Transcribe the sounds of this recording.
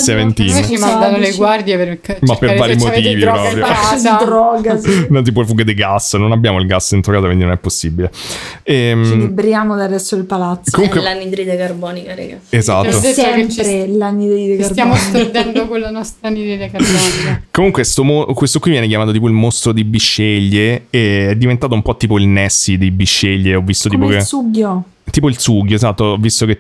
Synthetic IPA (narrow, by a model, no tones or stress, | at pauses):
sevent̪iːnt͡ʃmand̪anoleɡward̪jepeɾkemapːeɾvaːɾimot̪iːvipppɾɔpɾjod̪ɾɔːɡasnɔt̪iːp̬olfuɡed̪eɡasːnonabːjaːmoilɡasːint̪ɾokaːokind̪inõnɛpːosːibile | ɛmibɾjaːmod̪ad̪ɛsːoilpalat̪skomuŋkwelanid̪ɾid̪ekarbɔːnikaɾɛ̰ɡaezat̪ːod̪sɛmpɾelanːid̪ɾid̪ekaraɔikd̪ɛnd̪okolːanɔst̪ɾanid̪ɾid̪ekabɔnikomuŋkwest̪omokwest̪okwivjɛnekjamaːt̪ot̪ip̬oilmost̪ɾod̪ibiʃːeʎːeeɛd̪ːivent̪aːt̪oumpɔt̪ːiːpoilnɛsːid̪ejbiʃːeʎːeɔvːist̪ot̪iːpokesuɡjo | t̪iːpoilsuɡjoezat̪ːovːist̪oke